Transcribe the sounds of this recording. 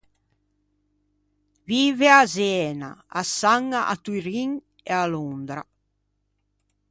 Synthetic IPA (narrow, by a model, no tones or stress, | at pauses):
viːveazɛːna̰asːaŋːaʔa̰t̪uɾiŋ | ealond̪ɾa̰